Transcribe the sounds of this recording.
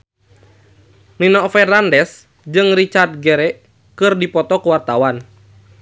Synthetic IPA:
ninɔfɛrnandɛs | d͡ʒɨŋrit͡ʃard̪̚ɡɛɾɛʔ | kɨrdipɔt̪ɔkuwart̪awan

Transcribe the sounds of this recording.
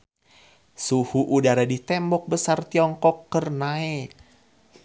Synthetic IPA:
suhuʔudaɾadit̪ɛmbɔk̚bəsart̪iɔŋkɔkːərnaɛk

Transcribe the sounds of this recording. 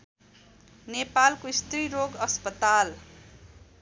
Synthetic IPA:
nepalkoist̪riɾoɡʌspʌt̪al

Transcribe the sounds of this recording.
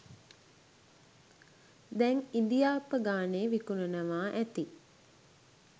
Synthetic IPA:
d̪ɛŋind̪ijaːpəɡaːneːʋikunənəʋaːʔæt̪i

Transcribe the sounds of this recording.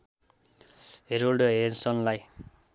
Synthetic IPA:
ɦeɾolɖɦensʌnlaj

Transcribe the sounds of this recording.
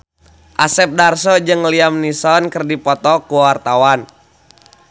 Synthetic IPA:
ʔasɛp̚darsɔd͡ʒɨŋliamnisɔnkərdipɔt̪ɔkuwart̪awan

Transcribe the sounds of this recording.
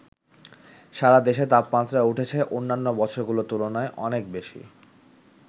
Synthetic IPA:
ʃaɾad̪eʃet̪apːat̪ɾauʈʰet͡ɕʰeʔonːanːobɔt͡ɕʰoɾɡulot̪ulonaeʔɔnek̚beʃḭ

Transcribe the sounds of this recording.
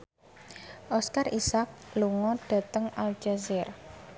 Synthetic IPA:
ʔɔskarisak̚luŋɔɖ̥a̤t̪əŋald͡ʒazɪr

